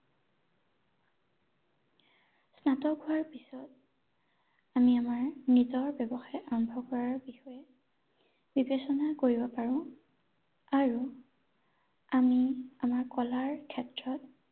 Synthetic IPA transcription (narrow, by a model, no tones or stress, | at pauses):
snatɔɡʱuaɹpisɔt̚ | amiamaɹnizɔɹbjɔbɔxajaɹɔmbʱɔkɔɹaɹbixɔjɛ | bibesɔnakoɹibɔpaɹʊ̃ | aɹu | amiamaɹkɔlaɹkʰɛtɹɔt̚